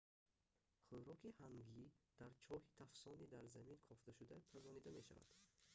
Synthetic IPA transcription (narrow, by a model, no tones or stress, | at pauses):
χuɾɔkihaŋɡid̪̥aɾt͡ʃʰɔhit̪ʰafsɔnid̪aɾzaminkʰɔft̪ʰaʃud̪apʰazɔnid̪ameʃa̰va̰d̪̥